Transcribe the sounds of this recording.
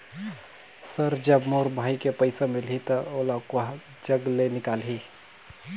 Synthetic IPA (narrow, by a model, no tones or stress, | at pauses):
səɾd͡ʒəbmoɾbʱaːjkepəɪsamilɦit̪əolakoɦ | d͡ʒəɡlenɪkalɦi